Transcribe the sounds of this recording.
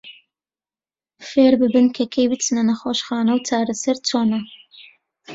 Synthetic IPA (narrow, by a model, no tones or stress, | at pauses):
feːɾbɨbɨnkʰɐkʰejbɨt͡sɨnɐnɐxoːʃxaːnɐwt͡ʃʰaːɾɐsɐɾt͡sʰoːnɐ